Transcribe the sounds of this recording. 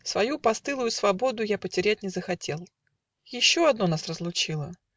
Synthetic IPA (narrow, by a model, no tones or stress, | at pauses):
svɐjupɐst̪ɨlˠʊjʊsvɐbo̞d̪ʊjapətʲɪɾʲæt̚ʲnʲɪzəxɐtʲe̞lˠ | jɪɕːo̞ɐd̪no̞nasrəzlˠʊt͡ɕilˠə